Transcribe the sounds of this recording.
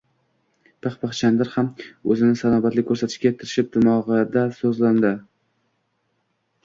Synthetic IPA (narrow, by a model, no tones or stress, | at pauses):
pʰɨχpɨχt͡ʃʰand̪aɾhamɵzɪnɪsanɒbat̪lɪkʲʰːɵɾsat̪ʰɪ̥ʃkʲajt̪ʰːɪɾɪʃɪp̚d̪ʊmɒʁɨd̪asɵzland̪ɪ